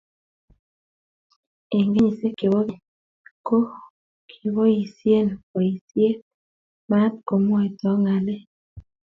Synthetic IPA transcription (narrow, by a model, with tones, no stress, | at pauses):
e˨ŋɡe˦ɲi˨se˦ke˨wo˦ɡɪ˨ | ko˦ | kʰi˨wo˦ji˨sje˦nko˨i˨sje˦ | ma˦tko˨mwe˨t̪ɔ˦ŋa˨le˦